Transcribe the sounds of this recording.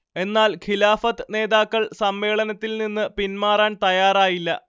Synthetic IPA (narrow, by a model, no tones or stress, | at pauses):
e̞nːaːlkʰilaːfɐt̪ːɨne̞ːðaːkːɐɭsɐmʋe̞ːɭɐnɐt̪ːilninːɨpinmaːraːnt̪ɐjaːraːjilːɐ̰